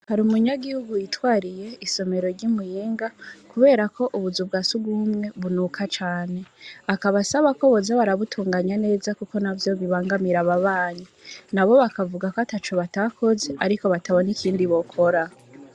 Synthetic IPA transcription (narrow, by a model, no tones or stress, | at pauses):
haɾumuɲaɡihuɡujitwaːɾije̞iso̞me̞ɾo̞ɾɟimujiːŋɡakuβe̞ːɾakʰo̞ʔuβuzub̚ɡasuɡumŋe̞βunukʰat͡ʃaːne̞akaβasaβako̞βo̞zaβaɾaβutʰuːŋɡaɲane̞ːzakuko̞navjo̞βiβaːŋɡamiɾaβaβaːɲinaβo̞βakavuɡakoatat͡ʃoβatakʰo̞ze̞ʔaɾiko̞βatʰaβo̞nikiːndiβo̞kʰo̞ɾa